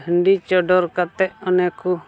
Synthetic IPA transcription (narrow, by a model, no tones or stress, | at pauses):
ɦəɳɖit͡ʃɔɖɔɾkat̪ɛʔɔnɛku